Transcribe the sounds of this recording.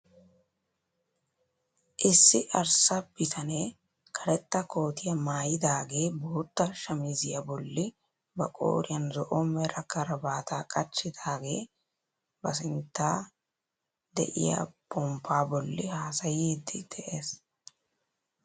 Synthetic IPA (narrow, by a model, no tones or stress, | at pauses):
ʔɪsːɪʔɐɾsɐbɪt̪ʰɐne | kʰɐɾɛt̪ːɐko̞ːt̪ɪjɐmaːjɪd̪aːɡe̞ːboːt̪ːɐʃɐmɪzɪjɐbɔlːɪ | bɐkʼo̰ːɾɪjɐnzɔʔɔmɛɾɐkɐɾɐbaːt̪ʰaːkʼɐt͡ʃːɪd̪aːɡe̞ː | bɐsɪnt̪ːaː | d̪ɛ̰ʔɪ̰ja̰pɔmpʰːaːbɔlːɪhaːsɐjeːd̪ːɪd̪̥ɛʔe̞ːs